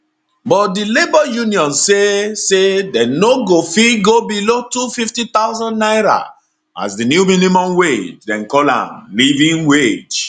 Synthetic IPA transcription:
bɔtdilebɔjuniɔ̃nsesedɛnoɡofiɡobilotufiftit̪aʊzãnnaɪɹa̰ | a̰zdinjuminimɔ̃mwed͡ʒdɛ̃nkɔlã̰mlivĩnwed͡ʒ

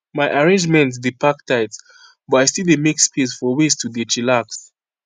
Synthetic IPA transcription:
majʔaɹẽnd͡ʒmɛ̃nt̬dipaktʰaɪts | bɔaɪstildemikspʰisfɔwistʰudit͡ʃilaks

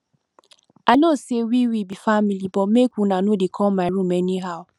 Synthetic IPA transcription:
anosewiwibifamilibɔmekʷunanodekʰɔmaɪɾumɛniɦaʊ

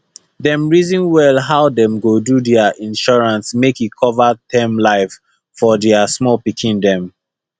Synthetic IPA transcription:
dɛ̃mɹizĩnwɛlɦaʊdɛ̃mɡodudɛaʔĩnʃɔɹãnsmekikʰɔvatɛ̃mlaɪf | fɔdɛasmɔlpikʰĩndɛ̃m

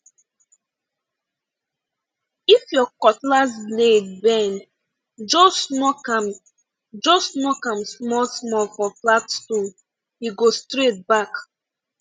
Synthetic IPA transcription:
ifjɔkɔtlazbled̚bɛ̃n | d͡ʒosnɔkm | d͡ʒosnɔkãmsmɔlsmɔlfɔflatstɔ̃n | iɡostɹet̚bak

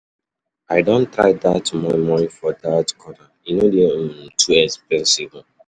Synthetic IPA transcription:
aɪdõntɹa̰jdatmɔmɔ̃nĩfɔdatkʰɔna | inodetʰuɛkspɛ̃nsib

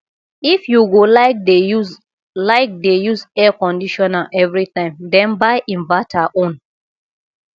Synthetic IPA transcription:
ifjuɡolaɪk̚deu | laɪk̚dejuzɛkɔ̃ndiʃɔnaʔɛvɹitãɪ̃mdɛ̃nbaɪʔĩnvatʰaʔõn

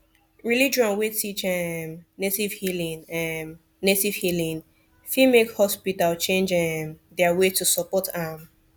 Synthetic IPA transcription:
ɹilid͡ʒãnwetit͡ʃɛmnetiv̥hilĩŋm | netiv̥hilĩn | fimekhɔspitalt͡ʃẽnd͡ʒɛmdɛawetusɔpɔtam

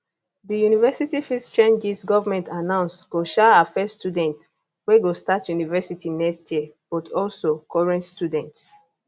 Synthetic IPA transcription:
dijunivɛsitifist͡ʃẽnd͡ʒisɡɔvamɛ̃ntanãʊ̃nsɡ̥oʃaafɛstjudɛ̃nt | wɛɡostatjunivɛsitʰinɛkstjib̥ɔtʰɔlsokɔɹɛ̃ntstudɛ̃nts

